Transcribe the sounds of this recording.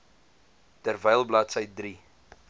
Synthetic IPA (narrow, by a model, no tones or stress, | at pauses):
tərvɛjlˠblɐtsəjdri